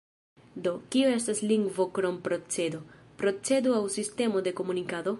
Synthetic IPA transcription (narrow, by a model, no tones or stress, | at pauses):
d̪o̞kioe̞stasliŋɡvo̞kɾo̞mpɾo̞t͡se̞dopɾo̞t͡se̞duawsiste̞mo̞de̞ko̞munikado̞